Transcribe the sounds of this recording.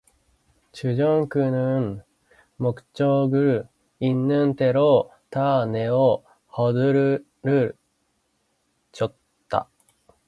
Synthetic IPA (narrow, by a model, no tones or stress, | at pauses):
ɕɨʑõŋkɯ̟nɯɴ | mokɯ̟̥t͡ɕo̞ːɡɯ̟ɾɯ | inːɯ̃nt̪e̞ɾo | t̪ane̞o | hod̪ɯɾ | ɾɯ | t͡ɕot̪ːa̰